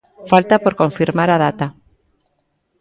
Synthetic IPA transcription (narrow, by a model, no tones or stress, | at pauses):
falt̪apo̞ɾkõ̞ɱfiɾmaɾað̞at̪a